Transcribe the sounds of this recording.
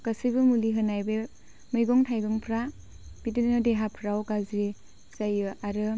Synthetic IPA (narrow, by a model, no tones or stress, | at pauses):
kasijbɯmuliɦɯnajbe | mɯjɡɔŋtʰajɡɯŋpʰɾa | b̥idɯnnɯdeɦapʰɾawɡazi | sajɯaɾɯ